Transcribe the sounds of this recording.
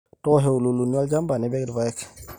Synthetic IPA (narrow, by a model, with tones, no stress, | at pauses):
tɔ˦ɦe˨wu˨lu˨lu˨ni˦wa˦ld͡ʒa˦mba˨ni˨˦bɛ˦ɡdba˨jɛ˦k